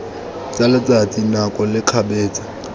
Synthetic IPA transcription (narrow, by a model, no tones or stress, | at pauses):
t͡sʼalat͡sʼat͡sʼinakʼɔlɪkʰabɛːt͡sʼḁ